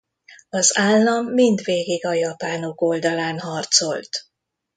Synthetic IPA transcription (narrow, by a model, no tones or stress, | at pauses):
ɒzaːlːɒmːind̪ʋeːɡiɡɒjɒpaːnoko̞ld̪ɒlaːnɦɒrt̪so̞lt̪